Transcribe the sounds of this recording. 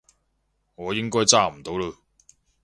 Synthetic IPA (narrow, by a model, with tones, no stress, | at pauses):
ŋɔː˨˧jɪ˥ŋkɔː˥jt͡saː˥˩m̩˨˩t̪o˨˥wlə˧